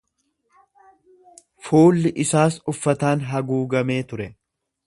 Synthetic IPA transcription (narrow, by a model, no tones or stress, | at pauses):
fuːlːɪʔɪsaːsʊfːɐt̪aːnɦɐɡuːɡɐme̞ːt̪ʊɾɛ